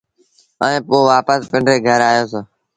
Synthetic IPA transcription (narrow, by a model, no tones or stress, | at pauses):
əẽːpoːʋaːpəspə̃ɳɖɾeːɡʱəɾaːjoːseː